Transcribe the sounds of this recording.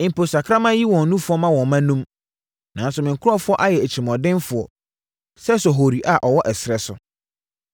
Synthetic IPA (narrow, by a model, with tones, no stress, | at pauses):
ɪ̃˨m̩˨pʰo˨sa˨kʰɾa˦mã˦ji˦wɔ̃˨n˦nũ˦fʊ˨˦ɔ˦mã˦wɔ̃˨mã˦nũ˦m | nã˨n˦sʊ˨mɪ̃˨ŋ̩˨kʰʊ˦ɾɔ˦fʊ˦ɔ˦ʔa˦jɛ˨æ˨t͡ɕʰi˨mɔ̃˨dɪ̃˦nfʊ˨ɔ̰˨ | sɛ˦sɔ˨ɦo˨ɾi˨ʔa˨ʔɔ˨wɔ˦ʔɛ˨sɾɛ˨sʊ̰˨